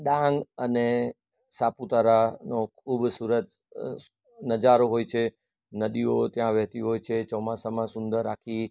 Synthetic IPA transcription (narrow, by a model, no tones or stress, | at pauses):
ɗãŋɡəne | saput̪aɾanokʰubsuɾət | nəd͡ʒaɾoɦojt͡ʃʰe | nəd̪iot̪jãʋɛɦt̪iɦojt͡ʃʰet͡ʃɔmasamãsʊ̃nd̪əɾːakʰi